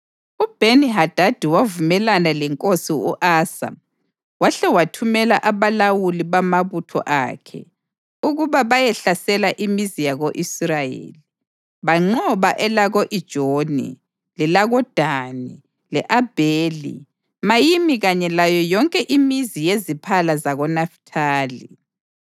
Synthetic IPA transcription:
ub̥ʱeniɦad̥ʱad̥ʱiwavumɛlanalɛŋkʼosiṵʔaːsa̰ | waɬɛwatʰumɛla̰ʔaβalawuliβamaβutʰɔ̰ʔa̰ːkʰɛ̰ | uɣuβaβajɛɬasɛlaʔimizijaɣoʔisrajḛːli | βaŋ͡ǀɔβaʔɛlaɣoʔid̥ʒ̥ʱonḭ | lilaɣɔd̥ʱaːni | lɛʔab̥ʱeːlḭ | majimiɣaɲɛlajɔjɔŋkʼɛʔimizijezipʰalazaɣɔnaftʰaːli

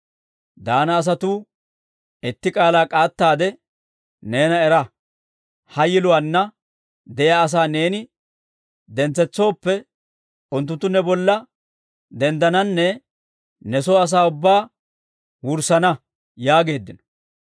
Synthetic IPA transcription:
d̪aːnɐːs̬ɐt̪uː | ɛt̪ːɪkʼaːlaːkʼaːt̪ːaːd̪ɛ | ne̞ːnɐɛɾɐ | hɐjɪlʊwanːɐ | d̪ɛjaːs̬aːne̞ːnɪ | d̪ɛnt͡sːɛt͡sːo̞ːpːɛ | ʊnt̪ːʊnt̪ːʊnɛbɔlːɐ | d̪ɛnd̪ɐnɐnːɛ | nɛsoːɐs̬aːʊbːaː | wʊɾsɐnɐ | jaːɡe̞ːd̪ːɪnɔ̥

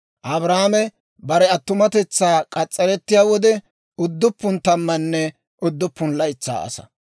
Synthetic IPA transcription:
ʔɐbɾaːmɛ | bɐɾɛɐt̪ːʊmɐt̪ɛt͡sːaːkʼɐt͡sʼːɛɾɛt̪ːɪjaːwɔd̪ɛ | ʊd̪ːʊpːʊnt̪ɐmːɐnːɛ | ʔʊd̪ːʊpːʊnlɐjt͡sːa̰ːɐ̰sɐ̥̰

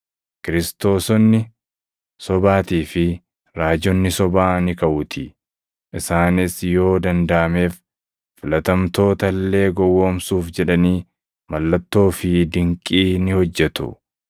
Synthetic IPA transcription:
kɪɾɪst̪o̞ːsɔnːɪ | sɔbaːt̪iːfɪ | ɾaːd͡ʒɔnːɪsɔbaːnɪkɐʔʊt̪ʰɪ | ʔɪsaːnɪsjo̞ːd̪ɐnd̪ɐʔɐme̞ːf | fɪlɐt̪ɐmt̪o̞ːt̪ɐlːe̞ːɡɔwːoːmsuːfd͡ʒɛᶑɐniː | mɐlːɐt̪ːo̞ːfɪd̪ɪŋkʼiːnɪhɔd͡ʒːɛt̪ʊ̰

